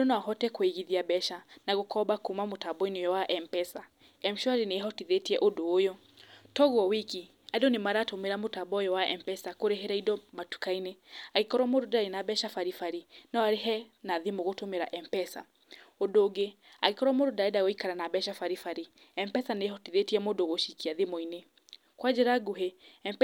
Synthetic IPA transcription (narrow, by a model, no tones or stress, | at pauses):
odonaaɦɔtɛkweɣiðiabɛʃanaɣokɔbakumamotabɔinejɔwaʔɛmpɛsa | ɛmʃɔaɾineɦɔtiðetiɛʔodoːjɔ | tɔɣwɔwiki | adonemaɾaːtomeɾamotabɔjɔwaɛmpɛsakoɾeɦeɾaidɔmatu̥kaineaɣekɔɾwamododaɾenabɛʃafaɾifaɾinaaɾeɦɛnaðemoɣotomeɾaʔɛmpɛsa̰ | odoːɡe | a̰ɣekɔɾwamoːdodaedaɣoikaɾanabɛʃafaɾifaɾi | ɛmpɛsanehɔtiðetiɛmoːndoɣoʃikiaðemoine | kwad͡ʒɛɾaɡoɦeɛmp